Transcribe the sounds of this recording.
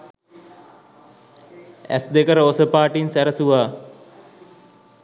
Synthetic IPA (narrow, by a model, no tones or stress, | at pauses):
æ̰sd̪ekəɾəosəpaːʈinsæɾəsuʋaː